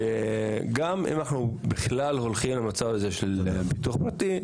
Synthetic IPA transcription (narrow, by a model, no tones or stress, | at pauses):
eɡamḭmanaχnubiχlalho̞lχimlamat͡savaze̞ʃelbituχpʁat̪i